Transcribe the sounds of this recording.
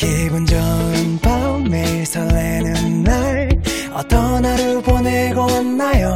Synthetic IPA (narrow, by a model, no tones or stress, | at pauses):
keɡond͡ʑʌɯntʌmeisʰʌɭːenɯnːaɭ | ʌt͈ʌnaɾɯɭponeɡoanːajo